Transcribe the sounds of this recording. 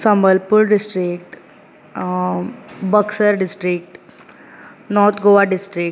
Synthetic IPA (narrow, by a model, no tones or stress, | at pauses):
səmbəlpuɾɖɪsʈɾikʈ | bəksəɾɖɪsʈɾik̚ʈ | nɔːɾt̪ʰɡoʋaɖɪsʈɾik